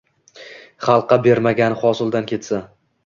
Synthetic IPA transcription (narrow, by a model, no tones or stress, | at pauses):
χɑlˠqːɑbe̞ɾmaɡʲanɪχɒsɪlˠd̪ankʲʰe̞t̪sa